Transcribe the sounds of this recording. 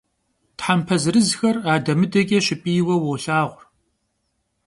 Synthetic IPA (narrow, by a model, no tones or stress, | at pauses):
tħampʰɐzrɨzxɐraːdɐmɨdɐɡʲʼɐʃɪpʼiːwɐwowɬaːʁʷr